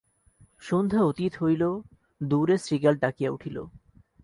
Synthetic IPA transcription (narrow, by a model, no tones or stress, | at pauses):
ʃond̪ʱaot̪it̪ɦojlo | d̪uɾesɾiɡalɖakijauʈʰilo̰